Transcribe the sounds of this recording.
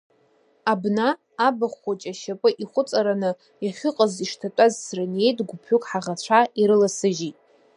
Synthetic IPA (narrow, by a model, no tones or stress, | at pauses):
abnaː | baχʷat͡ʃʼaʃapʼɨʔiχʷʊt͡sʼaɾanɨ | jaχʲɪqʼaziʂtʰatʷʼazsrane̞jtʼɡʷʊpʰukʼħaʁat͡ɕʷʰaiɾɨlasɨʒitʼ